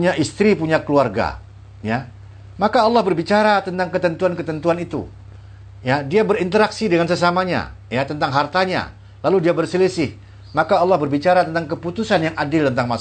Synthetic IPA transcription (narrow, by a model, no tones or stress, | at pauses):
ɲaʔist̪ɾipuɲakəluarɡa̰ | ja | makaːlːahbərbit͡ʃaɾat̪ənt̪aŋkət̪ənt̪uankət̪ənt̪uanit̪ṵ | jadiabərint̪əɾaksidəŋansəsamaɲa̰ | jat̪ənt̪aŋɦart̪aɲa̰ | laludiabərsəlisɪh | makaːlːahbərbit͡ʃaɾat̪ənt̪aŋkəput̪usanjaŋadɪlt̪ənt̪aŋmas